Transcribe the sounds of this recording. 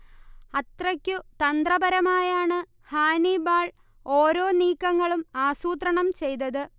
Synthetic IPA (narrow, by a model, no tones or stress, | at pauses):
ɐt̪rɐkʲːut̪ɐnd̪rɐbɐɾɐmaːjaːɳɨ | haːnibaːɭ | o̞ːɾoːniːkːɐŋːɐɭumaːsuːt̪rɐɳɐmt͡ɕe̞jt̪ɐðɨ